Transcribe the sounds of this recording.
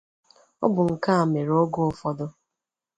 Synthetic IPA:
ɔ̰˦bʊ˨ŋ̩˨ka˦a˨me˨ɾo˦ɡo˦fɔ˦dʊ˦

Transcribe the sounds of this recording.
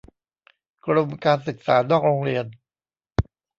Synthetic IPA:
kɾo˧mkaː˧nsɯ˨˩k̚sa̰ː˩˦nɔː˥˩k̚ɾoː˧ŋɾi˧ən

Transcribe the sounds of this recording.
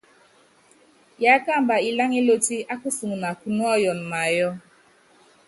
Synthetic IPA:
ja˨˦a˦ka˦m̩˦ba˨i˨la˦ŋi˦lo˦ti˦a˦kʊ˦su˨ŋu˨na˨ku˨nu˦ɔ˦jɔ˨n̩˨ma˨jɔ˦

